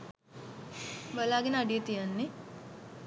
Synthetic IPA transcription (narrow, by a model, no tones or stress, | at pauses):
bəlaːɡenəɖijət̪ijənːe